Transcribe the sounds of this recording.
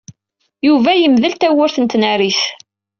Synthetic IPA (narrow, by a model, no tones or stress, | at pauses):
juvæjəmðəlt̪æwʊɾθənt̪næɾis